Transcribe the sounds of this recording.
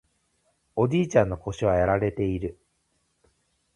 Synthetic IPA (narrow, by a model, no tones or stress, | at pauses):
o̞d͡ʑiːt͡ɕãnːo̞ko̞ɕiβ̞ajaɾaɾe̞t̪e̞iɾɯ̟